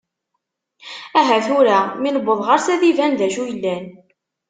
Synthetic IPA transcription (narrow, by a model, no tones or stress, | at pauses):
æɦæθʊɾæminəbːəðˤʁɑɾsæðivænðæʃujəlːæn